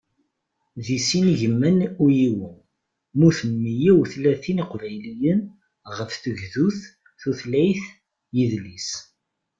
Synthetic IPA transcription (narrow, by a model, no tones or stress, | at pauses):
ðisinʝəmːənujiwən | muθəmːijæwθlæθiniqvæjlijən | ʁəfθəʝðuθ | θuθlæjθ | jiðlis